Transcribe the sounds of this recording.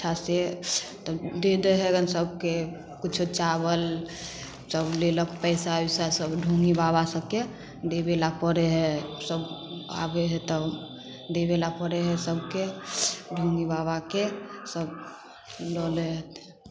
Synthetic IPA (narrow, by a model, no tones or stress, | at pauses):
t͡ʃʰaset̪ɔd̪ed̪əɦɛɡənsəb̚ke | kit͡ʃʰut͡ʃabəl | səbleləkpɛɪsabisasəbɖʱuŋibabasəbke | d̪ebelapəɾɛɦɛsəba̰beɦɛt̪ɔ | d̪ebelapəɾɛɦɛsəbkeɖʱuŋɡibabakesəb | lɔlɛɦt̪